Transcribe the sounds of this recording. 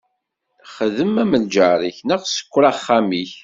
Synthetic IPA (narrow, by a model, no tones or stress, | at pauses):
χəðəmːæməld͡ʒəɾˤiçnəʁsə̥kʷːɾaχːamiç